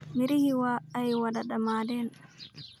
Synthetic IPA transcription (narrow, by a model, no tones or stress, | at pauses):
miɾihiwaːjwadaɗamadɛn